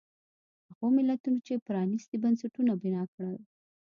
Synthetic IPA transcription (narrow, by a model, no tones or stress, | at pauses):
haɣomɪlːat̪unot͡ʃepɾɑnist̪ibansaʈunabɪnɑkɽaw